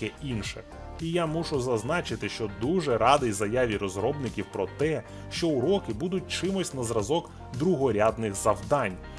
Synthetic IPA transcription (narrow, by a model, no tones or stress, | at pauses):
ɛinʃɛ | ijamuʃʊzɐznɑt͡ʃɪt̪ɪʃt͡ʃɔd̪uʒɛɾɑd̪ɪjzɐjaʋʲiɾɔzɾɔbnɪkʲiwpɾɔt̪ɛ | ʃt͡ʃɔʊɾɔkɪbud̪ʊt̚ʲt͡ʃɪmɔsʲtʲnɐzɾɐzɔk | d̪ɾʊɦɔɾʲad̪nɪxzɐwd̪ɑnʲ